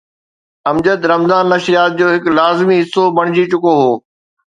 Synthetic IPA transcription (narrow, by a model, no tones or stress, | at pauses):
ɐmd͡ʑət̪ɾɐmzaːnːɐʃɾijaːt̪̚d͡ʑoːɦɪklaːzmiɦɪsːobɐɽ̃ɪd͡ʑit͡ɕʊkoɦoː